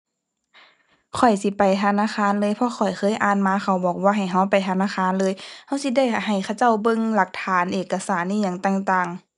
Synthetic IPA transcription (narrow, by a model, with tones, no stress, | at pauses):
kʰɔ˨˩jsi˧˦pa˨˩jt̪ʰa˧naː˧˥˨xaː˧˥˨nlɤː˧˥jpʰɔ˧˨xʰɔ˨˩jxʰɤː˧˥˨jʔaː˨˩nmaː˧˥xa˧˩wbɔː˨˩k̚waː˧ɦa˨˩jɦa˧˩wpa˨˩jt̪ʰa˧naː˧˥˨xaː˧˥˨nlɤː˧jha˧˥˨wsi˧˦da˧˥˩jha˨˩jkʰa˧˩wt͡ɕa˥˩˨wbɤ˧˨ŋla˧˩k̚t̪ʰaː˨˦nʔeː˨˩kːa˧saː˨˦nːiː˧˨ɲa˧˩ŋt̪aː˧˨ŋt̪aː˨˩ŋ